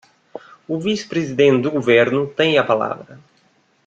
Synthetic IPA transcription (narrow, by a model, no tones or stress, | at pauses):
ʊvisɪ̥pɾezid̪ẽnt̪d̪ʊɡoveɾnʊt̪ẽj̃ɐpala̰vɾɐ